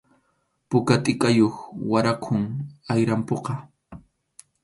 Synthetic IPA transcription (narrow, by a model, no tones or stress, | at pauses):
pʊkat̪ʼɪkʼajoχwaɾaqʰʊŋajɾampoqɑ